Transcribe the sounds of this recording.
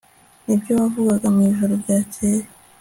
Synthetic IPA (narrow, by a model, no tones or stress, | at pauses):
nibɟoβavuɡaɡamŋiːβiʒoɾobɟaːt͡ʃeɾe